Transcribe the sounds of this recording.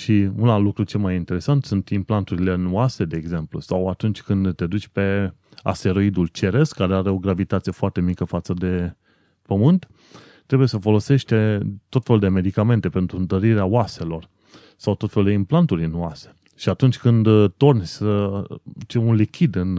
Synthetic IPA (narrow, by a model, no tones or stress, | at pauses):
ʃiunallukɾut͡ʃe̞lmajint̪e̞ɾe̞sant̪sunt̪implant̪uɾile̞nuase̞d̪e̞ːɡze̞mplṵsawat̪unt͡ʃʲkɨnd̪t̪e̞d̪ut͡ʃʲpe̞a̰st̪e̞ɾo̞id̪ult͡ʃe̞ɾe̞skaɾeaɾe̞o̞ɡɾavit̪at̪sijefoart̪e̞mikəfat̪səd̪e̞ | pəmɨnt̪ː | ɾe̞buje̞səfo̞lo̞se̞ʃt̪t̪o̞t̪fe̞lud̪e̞me̞d̪ikame̞nt̪e̞pe̞nt̪ɾunt̪əɾiɾeaoase̞lo̞r | sawt̪o̞t̪feluld̪eimplant̪uɾʲnuase̥ | ʃiat̪unt͡ʃʲkɨnd̪t̪o̞rnʲsə | t͡ʃeunlikʲʰid̪ɨn